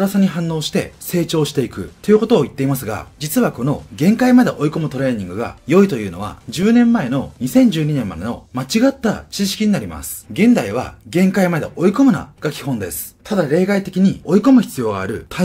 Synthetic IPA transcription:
ɾasaɲ̟iɦãnːo̞ːɕi̥t̪e̞̰se̞ːt͡ɕo̞ːɕi̥t̪e̞ikɯ̟t̪o̞jɯ̟kot̪o̞ːit̪ːe̞imasɨɡa̰d͡ʑit͡sɨβako̞no̞ɡẽ̞ŋkaimad̪e̞ʔo̞iko̞mɯt̪o̞ɾe̞ːɲ̟ĩŋɡɯ̟ɡa̰jo̞it̪o̞jɯ̟ːno̞̰βa̰d͡ʑɨːnẽ̞mːae̞no̞ɲ̟isẽ̞ɲ̟d͡ʑɨːɲ̟inẽ̞mːa̰d̪e̞no̞̰mat͡ɕiɡat̪ːat͡ɕiɕi̥kʲiɲ̟inaɾʲima̰sɨ̥ɡẽ̞nd̪aiβ̞a̰ɡẽ̞ŋkaimad̪e̞ʔo̞iko̞mɯ̟na̰ɡ̥akʲi̥hõ̞nd̪e̞̰sɨ̥t̪ʰad̪aɾe̞ːɡait̪e̞kʲiɲ̟io̞iko̞mɯ̟çi̥t͡sɨjo̞ːɡaːɾɯ̟t̪ʰa

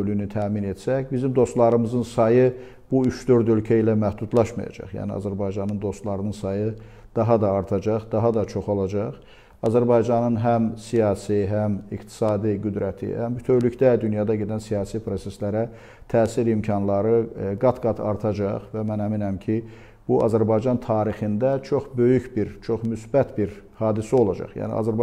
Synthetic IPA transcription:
ølynyt̪ʰæːmine̞t̪sæçbizimd̪o̞st̪lˠɑɾɯmɯzɯnsɑjɯ | b̥uyʃd̪øɾd̪ølcʰæilæmæhd̪ud̪lˠɑʃmɑ̰jɑ̰d͡ʒɑ̰χjæ̰ːnḭɑ̰zæɾbɑjd͡ʒɑnɯnd̪o̞st̪lˠɑɾɯnɯnsɑjɯ | d̪̥ɑɦɑd̪ɑːɾt̪ʰɑd͡ʒɑχd̪ɑɦɑd̪ɑt͡ʃʰo̞χolˠɑd͡ʒɑχ | ɑzæɾbɑjd͡ʒɑnɯnɦæmsijɑːsiɦæmikt̪ʰi̥sɑːd̪iɡyd̪ɾæt̪ʰḭhæmbyt̪ʰøɾlycd̪æd̪ynjɑd̪ɑɟe̞d̪ænsijɑːsipʰɾo̞se̞slæɾæ | t̪ʰæːsiɾimcʰɑnlˠɑɾɯɡɑt̪ʰɡ̥ɑt̪ʰɑɾt̪ʰɑd͡ʒɑχvæmænæminæmcʰi | buɑ̰zæɾbɑjd͡ʒɑnt̪ʰɑːɾixind̪æt͡ʃʰo̞χbø̞jycbiɾt͡ʃʰo̞χmysbæt̪biɾ | hɑːd̪isæo̞lˠɑd͡ʒɑ̰χjæ̰ːnḭɑ̰zæɾb

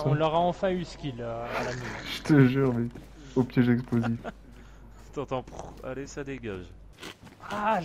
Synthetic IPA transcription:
ɔ̃lɔʁaɑ̃fɛ̃yskʲiløalaneʒ̥ət̪əʒyʁmɛ | opjɛʒɛksplozif | t̪ɑ̃t̪ɑ̃pa̰lesad̪eɡaʒ | a

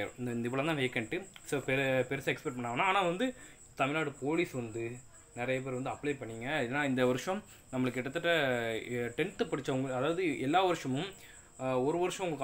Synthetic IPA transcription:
ɾ̰ɪnd̪ɪpːɐɭɐt̪ãːʋeːkːɐɳʈːɯsoːpɛɾpɛɾɯsɐɛkspɛʈ̚pɐɳːaːŋɐnːaːnaːʋɐnd̪ɯ | t̪ɐmɪɾaːɽɯpoːliːsʋɐnd̪ɯ | nɪɾɐjɐp̬eːɾʋɐnd̪ɯɐpːɭeːpɐɳːiːŋɡɐenːaːɪnd̪ɐʋɐɾɯʂɐ̃m | nɐmːɐɭɯkːɪʈːɐt̪ːɯʈːɐ | ʈɛɳʈɯpɐɽɪt͡ʃːɐʊŋɡɐɭɐðaːʋɐðɯɛlːaːʋɐɾɯʂɐmɯm | ɔɾɯʋɐɾɯʂɐ̃ʊŋɡɐɭkː

